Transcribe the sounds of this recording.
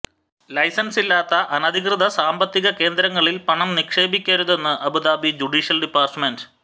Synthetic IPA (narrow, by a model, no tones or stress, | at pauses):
lɐjsɐnsilːaːt̪ːɐʔɐnɐd̪ʱikrɨðɐsaːmbɐt̪ːiɣɐke̞ːnd̪ɾɐŋːɐɭilpɐɳɐmnikʂe̞ːbikʲːaːɾuðe̞nːɨʔɐbud̪aːbid͡ʑuɖiːʂɐlɖipːaːrʈmendɨ